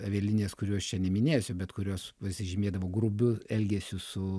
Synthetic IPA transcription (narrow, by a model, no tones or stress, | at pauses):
ɐʋʲeːlʲɪnʲeːskʊɾʲuːɐʃt͡ʃʲɛnʲɛmʲɪnʲeːjsʲʊbʲɛt̪kʊɾʲoːspɐsʲɪʒʲɪmʲeːd̪ɐʋoːɡrʊbʲʊɛlʲɡʲeːsʲʊsʊ